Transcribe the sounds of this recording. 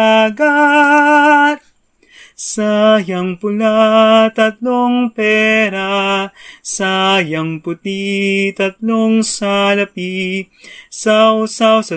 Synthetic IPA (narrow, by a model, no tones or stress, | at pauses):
aɡa | t̪̚ | sajɐŋpʊlat̪ɐt̪loŋpɛɾa | sajɐŋpʊt̪it̪ɐt̪loŋsalɐpi | sawsawsɐ